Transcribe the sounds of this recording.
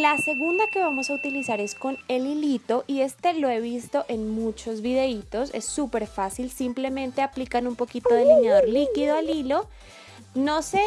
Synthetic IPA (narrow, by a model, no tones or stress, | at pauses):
lase̞ɣund̪ake̞βamo̞saut̪ilisaɾe̞sko̞nelilit̪o̞ʔie̞st̪e̞lo̞e̞β̞ist̪o̞ʔe̞nmut͡ʃo̞zβið̞e̞it̪o̞se̞̰sːupe̞ɾfasilsimple̞mẽ̞nt̪e̞aplikanumpo̞kit̪o̞ðeliɲjaðo̞ɾlikiðoalilo̞ | no̞se̞